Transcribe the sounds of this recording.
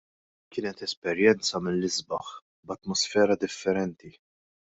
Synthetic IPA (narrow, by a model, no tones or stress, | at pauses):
kɪːnɛt̪ɛspɛɾjɛnt͡sɐmɪlːɪzbɐħ | bɐt̪mɔsfɛːɾɐd̪ɪfːɛɾɛnt̪i